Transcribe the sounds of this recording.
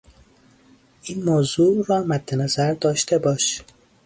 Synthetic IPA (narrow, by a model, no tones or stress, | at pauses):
ʔiːnmoːzuːɾɒːmæd̪ːenæzæɾd̪ɒːʃt̪ʰe̞bɒːʃ